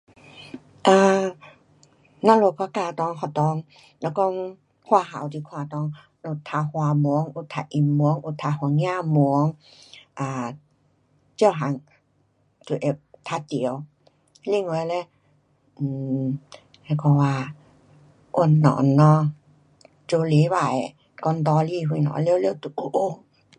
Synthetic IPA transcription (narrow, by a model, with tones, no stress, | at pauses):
ʔaː˧˩ | nɔ˧˨lo˧kʰa˧kaː˧˩t̪ɔː˧˨ŋkʰa˧˩wt̪ɔː˧˦ŋ | lɛ˧˩kɔː˧ŋ | kʰwaː˧˨ɦa̰˨˦wt̪ʰi˧˦kʰwaː˧˩t̪ɔː˧˨ŋ | lo˧˩t̪ʰːa˧hwa˧mu˧˦ə˦ŋʔu˧˩t̪ʰːa˧ʔi˧˦mːu˧˦ə˧ŋʔu˧t̪ʰːa˧hu˧˦ŋjaː˧˥˨mu˧˦əŋ | ʔaː˨˧˩ | t͡ɕi˧˩˨wɦa˨˦ŋ | tu˧˨ʔe˧t̪ʰa˧t̪i˨ə˨˧w | li˧˨ŋwəː˧˦˧lɛ˧˩ | ɛ˧˩kʰɔ˧waː˧ | ʔo˧˩nnɔ̰ː˨nːɔ˧ | t͡ɕo˧˦li˨˦waː˨j | kɔ˧˨nd̪ɔː˧˦liː˧˨ɦu˧˨nɔ̰˧˦le˧˨wle˧˨wt̪u˧˨ʔu˧ʔo˧